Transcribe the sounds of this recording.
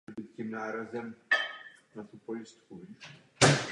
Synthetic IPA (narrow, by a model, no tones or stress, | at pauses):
ɛbiːt̪̚cimnaːɾazɛm | nat̪upo̞jɪst̪ku